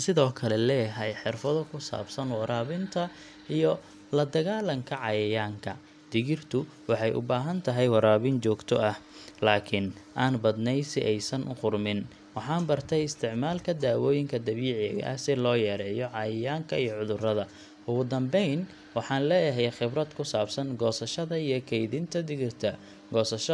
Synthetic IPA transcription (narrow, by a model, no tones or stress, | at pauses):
sɪðɔːkʰɐlɛlɛːjɐɦɛjħɪrfɐðɔkʰʊsa̰ːbsɐnwɑɾaːβɪnt̪ʰɐ | ʔijɔ | lɐd̪ɐɣaːlɐŋkʰɐʕɑjɐjaːŋkʰɐ̰ | d̪̥ɪɣɪrt̪ʰʊ | wɑħɑjʔʊ̰baːɦɐnt̪ʰɐɦɛjwɑɾaːβɪnt͡ʃɔːɡt̪ʰɔʔɐhlaːkʰɪnʔaːnbɐd̪nɛjsɪʔɛjsɐnʔʊ̰qʊrmɪn | wɑħɑːnbɐrt̪ʰɛjɪst̪ʰɪʕmaːlkʰɐd̪aːwɔːjɪŋkʰɐd̪ɐβiːʕɪɐ̰ʔɐ̰hsɪlɔːjɛːɾɛːjɔʕɑjɐjaːŋkʰɐijɔʕʊðʊrɐðɐ | ʔʊɣʊd̪ɐmbɛjn | wɑħɑːnlɛːjɐɦɛjxɪbrɐd̪kʰʊsaːbsɐnɡɔːsɐʃɐðɐijɞkʰɛjðɪnt̪ʰɐd̪ɪɣɪrt̪ʰɐ | ɡɔːsɐʃɐ